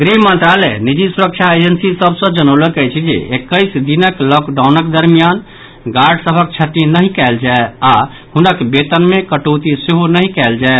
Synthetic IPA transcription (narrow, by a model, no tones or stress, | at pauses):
ɡɾimənt̪ɾalɛnid͡ʒisuɾək̚t͡ʃʰaed͡ʒənsisəbʱsə̃d͡ʒənəʊləkɛjt͡ʃʰid͡ʒḛʔekəjsd̪inəklɔkɖaʊnəkd̪əɾmijan | ɡaɾɖsəbʱək̚t͡ʃʰət̪inəɦĩkɛɪld͡ʒaea | hunəkbet̪ənmekəʈot̪iseɦonəɦĩkɛld͡ʒae